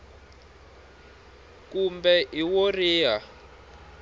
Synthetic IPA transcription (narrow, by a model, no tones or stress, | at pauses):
kumbɛʔiworiːɦa